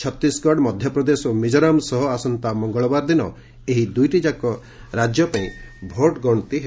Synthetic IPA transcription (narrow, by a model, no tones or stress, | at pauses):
t͡ʃʰɔt̪ɾiskɔɖmɔd̪ʱjɔpɾɔd̪esɔmid͡ʒɔɾamsɔɦɔasɔnt̪amɔŋɡɔɭɔbaɾd̪inɔ | eɦid̪ujʈid͡ʒakɔ | ɾad͡ʒjɔpaĩbʱoʈɡɔɽ̃ɔt̪iɦe